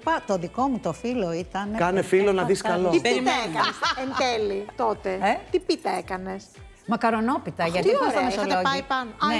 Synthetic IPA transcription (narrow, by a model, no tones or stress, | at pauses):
pɐt̪o̞ðiko̞mut̪o̞filo̞it̪ɐnkɐnefilonɐðiskɐloieɾimeekɐnsent̪elit̪ot̪e̞et̪ipit̪ɐekɐne̞s | mɐkɐɾo̞no̞pit̪ɐʝɐt̪ieɐmesoloɐipɐnone